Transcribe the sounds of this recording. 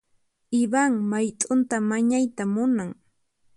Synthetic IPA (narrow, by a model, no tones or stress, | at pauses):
ɪbaŋmajt̪ʼʊnt̪amaɲajt̪amʊnaŋ